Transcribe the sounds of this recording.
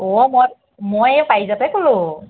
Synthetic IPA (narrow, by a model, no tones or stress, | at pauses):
ɔmɔ | mojpajzapɛkolʊ̃